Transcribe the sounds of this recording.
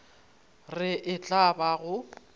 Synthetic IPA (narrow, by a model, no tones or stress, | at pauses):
rɪʔɪt͡ɬʼabaɣʊ